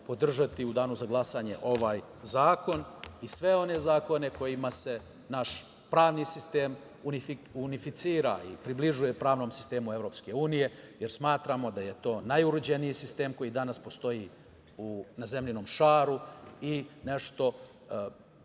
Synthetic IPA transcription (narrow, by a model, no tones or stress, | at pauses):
po̞d̪r̩ʒat̪iud̪aːnuzaɡlˠasaɲe̞̰ʔo̞ʋaːj | zaːko̞nisʋe̞o̞ne̞zaːko̞ne̞ko̞jimase̞ | naʃ | pɾaːʋnisist̪eːm | unifiunifit̪siːɾa̰ḭpɾibliʒujepɾaːʋno̞ːmsi̥st̪e̞ːmuevɾo̞pske̞uːnije̞jeɾsmaːt̪ɾamo̞d̪aje̞t̪o̞ːnajuɾud͡ʑenijisist̪e̞ːmko̞jid̪anaspo̞st̪o̞ji | unazemʎino̞ːmʃaːɾuine̞ʃt̪o̞